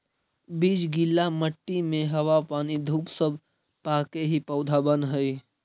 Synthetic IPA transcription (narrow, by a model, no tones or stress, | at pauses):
biːd͡ʒɡilːaməʈːimẽɦəwapaːnid̪ʱuːpsəb | paːkeɦipəʊd̪ʱabənɦəi